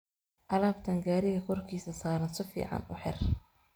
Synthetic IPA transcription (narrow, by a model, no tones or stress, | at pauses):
ʔɐlaːbt̪ʰɐŋɡaːɾɪɣɐkʰɔrkʰiːsɐsaːɾɐnsɪfḭːʕɑ̰nʊħɪ̰r